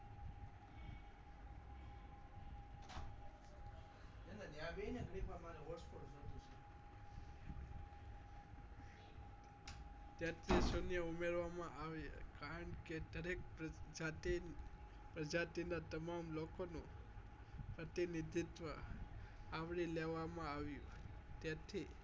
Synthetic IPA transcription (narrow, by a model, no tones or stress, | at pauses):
enanjaʋenaɡɽipamaɾeɦɔɾspoɽd͡ʒod̪ũt͡ʃʰe | t̪jat̪ʰisonjəumeɾʋamãʔaʋekaɾəɳked̪əɾek̚d͡ʒat̪i | pɾəd͡ʒat̪inat̪əmamlokonũ | pɾət̪inid̪ʱit̪ʋə | aʋɽileʋamãaʋjũ | t̪jat̪ʰi